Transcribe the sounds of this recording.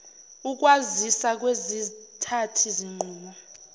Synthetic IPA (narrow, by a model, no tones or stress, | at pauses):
uk̬wazisak̬wezitʰatʰiziŋ͡ǃʱuːmɔ